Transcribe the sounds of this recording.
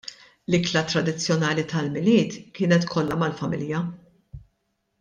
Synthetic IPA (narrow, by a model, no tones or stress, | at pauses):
lɪklɐt̪ɾɐd̪ɪt͡sːjɔnɐːlit̪ʰɐlmɪlɪːt̪kɪːnɛt̪kʰɔlːɐmɐlfɐmɪljɐ